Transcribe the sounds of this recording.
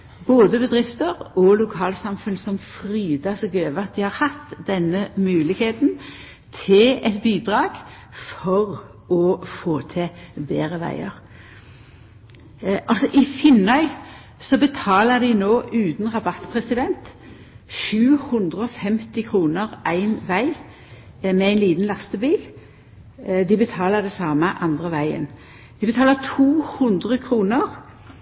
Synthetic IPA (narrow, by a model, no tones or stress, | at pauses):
boːd̪əbəd̪ʁɪft̪əʁɔlʊkʰɑːlsɑmfʉnsɔmfʁiːd̪ɑsɔɡøːʋəɑt̪̚d̪ɪhɑʁhɑt̪d̪ɛnːəmʉːlɪɡheːt̪n̩ | t̪ʰɪlɛt̪biːd̪ʁɑːɡ | fɔʁ | ɔfoːt̪ʰɪbeːʁəʋæ̰ɪəʁ | ʔɑlsɔʔɪfɪnœʏ | sɔbət̪ʰɑːləd̪ɪnoːʔʉːt̪nʁɑbɑt̪ːpʰʁɛsɪd̪ɛnt̪ | ʃʉːhʉnd̪ʁəɔfɛmt̪ɪkʰʁuːnəʁʔæɪnʋæɪ | mɛæɪnliːt̪n̩lɑst̪əbiːl | d̪ɪbət̪ʰɑːləʁd̪ɛsɑːməʔɑnd̪ʁəʋæɪə̰n | d̪̥ɪbət̪ʰɑːlət̪ʰuːhʉnd̪ʁəkʰʁuːnəʁ